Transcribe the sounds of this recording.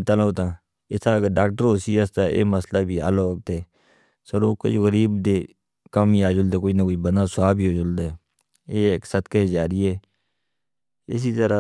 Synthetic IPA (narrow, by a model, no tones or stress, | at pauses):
t̪ələːt̪ãː | ɪt̪aːɡəɖaːk̚ʈəɾɦoːsiːəst̪aːʔḛːməslaːbʱiːa̰ːloːk̚t̪eː | səɾoːkə̰d͡ʒoɣəɾiːbd̪eː | kəmiaːd͡ʒʊld̪eːkoːiːnakoːiːbənaːsʊaːbʱiːoːd͡ʒʊld̪eː | eːksət̪ked͡ʒaːɾiːɛː | ɪ̰s̬iːt̪əɾaː